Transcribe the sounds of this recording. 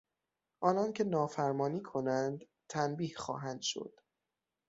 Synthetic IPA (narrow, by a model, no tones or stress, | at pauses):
ʔɒːnɒncʰe̞nɒːfæɾmɒːniːkʰo̞nænd̪ | t̪ʰænbiːhxɒ̰ːɦænd̪̥ʃo̞̰d̪̥